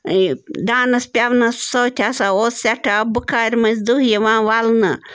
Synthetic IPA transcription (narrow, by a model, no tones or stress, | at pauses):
d̪ãːnɐspʲjaʋnɐssowt̪ʲʰasaoːssʲaʈʰabɨkʰaːɾʲmɐsd̪uɦjeʋãːʋalnɐ